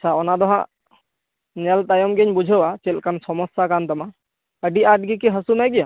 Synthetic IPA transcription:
at͡ʃʰaɔnad̪ɔɦã̰ʔ | nɛlt̪ajɔmɡɛɲbud͡ʒʱəwat͡ʃɛlkansɔmɔsjakant̪ama | əɖiʔaʈ̚ɡikiɦəsumajɡija

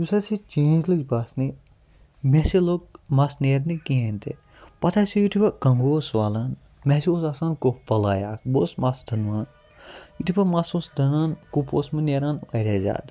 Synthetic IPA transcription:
jusɐsit͡ʃeːnd͡ʒlɨɡʲbaːsni | mesiloɡ̚mɐsneːɾnikient̪ʰe | pɐt̪ʰasijut̪ʰipɐkɐŋɡoːsʋaːlan | mesioːsasãːnkopɐlaːjaːk̚boːsmɐsd̪ɐnʋaːn | jut̪ʰipɐmɐsoːsd̪ɐnaːnkuposmɨneːɾaːnʋɐɾʲeːzʲa̰ːd̪

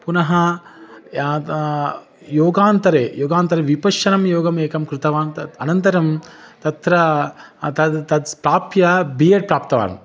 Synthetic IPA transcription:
punɐɦɐ | joːɡaːnt̪ɐɾeːjoːɡaːnt̪ɐɾeʋipɐʃɐnɐmjoːɡɐmeːkɐmkɾɪt̪ɐʋaːnɐnɐnt̪ɐɾɐmt̪ɐt̪ɾɐt̪ɐt̪ɐd̪pɾaːpjɐbijɐʈ̚pɾaːp̚t̪ɐʋa̰ːɾɐ̰m

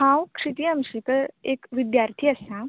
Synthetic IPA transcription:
hãwkʰʂit̪iːəmɕikəekʋid̪jaɾt̪ʰiːəsã

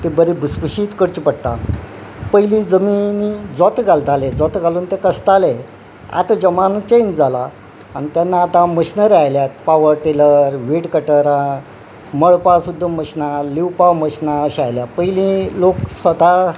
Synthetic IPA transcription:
t̪ebəɾibʱuspuɕiːt̪kəɽt͡ɕipəɽt̪a̰ | pəjlĩd͡zəminid͡zɔt̪ɡald̪ʱaled͡zɔt̪ɡaluːnt̪ekəst̪ale | a̰t̪ad͡ʑəmant͡ɕejnd͡zala | a̰ñit̪janːaːt̪aməɕnəɾeajljat̪̚paʋəɾʈeləɾʋiʈkəʈəɾã | məɭpasud̪ʱːaməɕnaliwpawməɕnaəɕajljapəjlĩloksʋət̪a

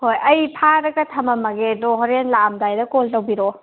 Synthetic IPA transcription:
hojɐjpʰaɾɐɡɐtʰɐmɐmɐɡedoɦɔɾenlamdajdɐkoltɐwbiɾo

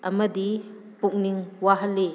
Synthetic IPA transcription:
ɐ̰mɐdi | puk̚niŋwaɦɐlːe

